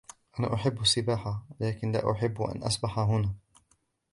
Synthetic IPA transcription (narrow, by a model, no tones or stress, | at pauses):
ʔana̰ːʔʊħɪbːasːɪbaːħalaːkɪnla̰ːʔʊ̰ħɪbːʔa̰nʔa̰sbaħaɦʊnaː